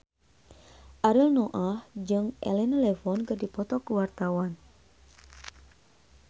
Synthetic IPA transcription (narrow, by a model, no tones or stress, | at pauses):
ʔaɾilnoʔahd͡ʒɨŋʔɛ̰lɛnalɛfɔnkɨrdipɔt̪ɔkəwart̪awan